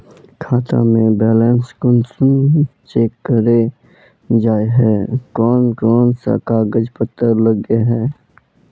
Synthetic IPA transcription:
kʰaːt̪ã̰mẽbɛːlɛːnskʊnsʊnt͡ʃeːkːəɾe | d͡ʒaːeɦɛːkɔːnkɔːnsa̰kaɡəd͡ʒpət̪ːəɾləɡeɦɛː

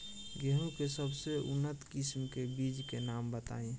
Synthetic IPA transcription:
ɡeɦũkesəbseʊ̰nːət̪kɪsmkebiːd͡ʒkenaːmbət̪a̰ːĩ

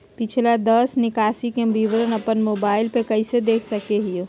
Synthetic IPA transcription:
pɪt͡ʃʰlad̪əsnɪkaːsikebiʋɾənəpənmoːbaːɪlpekɐɪsed̪eːkʰsəkeɦio

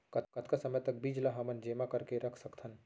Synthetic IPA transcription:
kɐt̪kɐt̪ʰkasəməjt̪ɐk̚biːd͡ʒlaɦɐmənd͡ʒeːmakəɾkeɾɐkʰsəkt̪ʰən

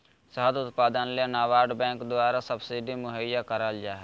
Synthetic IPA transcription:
səɦəd̪ʊt̪paːd̪ənlenaːʋaːɾɖbɛ̃ːŋkd̪waːɾasəbsiɖimʊɦəjːakəɾəld͡ʒaɦɛ

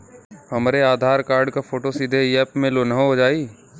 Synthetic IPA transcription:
ɦɐmɾeaːd̪ʱaːɾkaːɾɖkafʰoːʈosid̪ʱeɛːpmẽlonəɦoɦod͡ʒaːiː

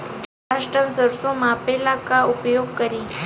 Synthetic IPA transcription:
aʂʈənsəɾsomapelakaʊpjoɡ̚kəɾi

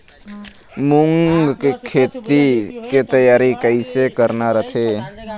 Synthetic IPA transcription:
mʊŋɡkekʰeːt̪iket̪əjaːɾikəɪsekəɾnaɾət̪ʰe

